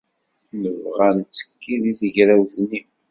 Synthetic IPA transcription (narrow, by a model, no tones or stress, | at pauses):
nəvʁænt͡sːə̥kʰːiniðəʝɾæwθni